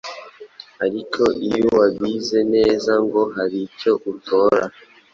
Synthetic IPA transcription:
aɾikʰo̞ʔijowaɡize̞ne̞ːzaŋɡo̞ɦaɾico̞ʔutʰoːɾa

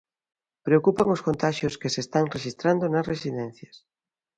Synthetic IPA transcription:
pɾeokupaŋoskont̪aʃjoskesest̪aŋreʃist̪ɾand̪onɐsresiðɛ̃n̟θjɐs

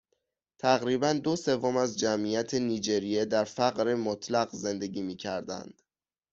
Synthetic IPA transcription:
t̪ʰæɣɾiːbænd̪o̞se̞vːomæzd͡ʒæmijæt̪ʰeniːd͡ʒe̞ɾijed̪æɾfæɣɾemot̪ʰlæɣze̞nd̪e̞ɡiːmiːcʰæɾd̪æ̰nd̪̥

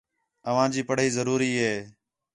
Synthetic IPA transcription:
əʋ̤ãːd͡ʒiːpəɽ̤iːzəɾuːɾiːɦeː

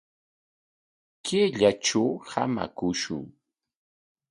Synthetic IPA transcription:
kɪʎaʈ͡ʂawha̰ma̰kʊʃʊ̰ŋ

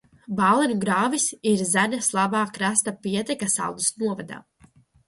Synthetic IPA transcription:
baːlˠɛnuɡɾaːvisiɾzænʲaslˠabaːkɾast̪apiɛt̪ɛkasa̰lˠd̪usnuɔvad̪a̰ː

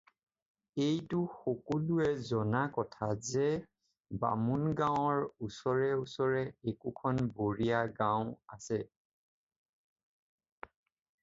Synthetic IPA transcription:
ejtʊxokɔluɛzɔnakɔtʰazɛ | ba̰munɡãwɔɹusɔɹɛusɔɹɛekukʰɔnboɹijaɡãʊ̃asɛ

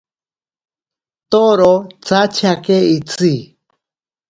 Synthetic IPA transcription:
t̪oɾot͡sat͡ʃʰakeit͡si

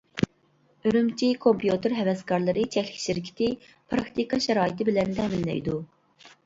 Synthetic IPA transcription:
øɾymt͡ʃʰikʰompjut̪ɨɾɦɛwɛskɑɾlˠɨɾɨt͡ʃʰɛkʲlɪkʲʃɪɾkʲʰi̥t̪ʰɪ | pʰɾɑkt̪ikʰɑʃɛɾɑːjit̪ɪbɪlɛnt̪ʰɛmɪnːɛ̰jd̪u

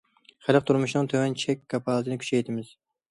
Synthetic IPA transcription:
χælq̚t̪ʰuɾmuʃnɨŋt̪ʰøwɛnt͡ʃʰɛkʲʰːɑpʰɑlˠɨt̪ʰɨnɪkʲy̥t͡ʃʰɛjt̪ʰɪmɪz̥

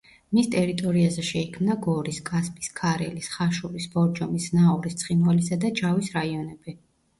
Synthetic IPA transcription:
mist̪ʼɛɾit̪ʼɔɾiazɛʃɛikʰmnaɡɔɾiskʼaspʼi̥skʰaɾɛ̰lisχaʃuɾisb̥ɔɾd͡ʒɔmisnaɔɾist̪sʰχinwalisad̪ad͡ʒavisɾaiɔnɛb̥i

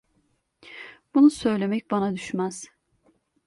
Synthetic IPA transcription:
b̥unusø̞jlʲe̞mɛc̚banad̪yʃmaz̥

